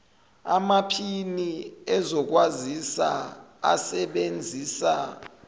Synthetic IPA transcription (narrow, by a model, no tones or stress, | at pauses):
a̰mapʰiniɛzɔk̬wazisa̰a̰sɛɓend͡zʱiːsa